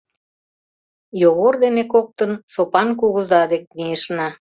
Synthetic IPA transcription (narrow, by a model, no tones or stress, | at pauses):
joɣord̪enekok̚t̪ənsopɑnkuɣə̆zɑd̪ek̚mieʃnɑ